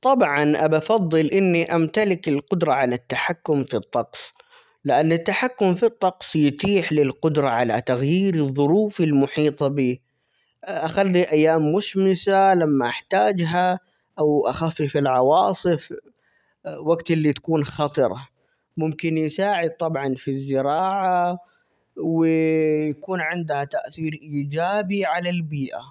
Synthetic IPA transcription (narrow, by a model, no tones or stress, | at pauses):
t̪ˤɑbʕɑnʔabafɑðˤːɨlʔɪnːiʔamt̪alɪkɪlqʊd̪ɾˤɑʕalat̪ːaħakːʊmfit̪ˤːɑqs | lɪʔanːɪt̪ːaħakːʊmfit̪ˤːɑqsjɪt̪iːħlɪlqʊd̪ɾˤɑʕala̰t̪aɣjiːɾɨðˤːʊɾuːfɪlmʊħiːt̪ˤɑbiː | ʔaxalːiʔajːaːmːʊʃmɪsalamːaʔaħt̪aːd͡ʒɦa | ʔawʔaxafːifilʕɑwɑːsˤɨf | waɡt̪ɪlːit̪ḁkuːnxɑt̪ˤɨɾˤɑ̰ | mʊmkɪnjsaːʕɪd̪̚t̪ˤɑbʕɑnfizːɪɾɑːʕa | wɪjakuːnʕɪnd̪hat̪aʔθiːɾʔiːd͡ʒaːbiʕalalbiːʔa̰